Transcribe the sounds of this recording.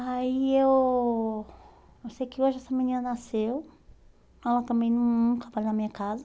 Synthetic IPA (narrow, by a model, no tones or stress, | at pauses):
aiew | ewsejkɪoʒɪɛsɐmĩnĩnɐnasew | ɛlɐt̪ɐ̃mbẽj̃nũũk̪avaʎʊnɐmĩɲɐkazɐ